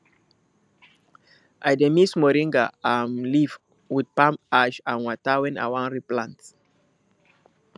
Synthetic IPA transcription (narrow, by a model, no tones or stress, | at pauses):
ʔajdemismɔɾĩŋɡaamliv | wid̚pãmaʃãnwatawɛ̃na̰wãnɹiplãnts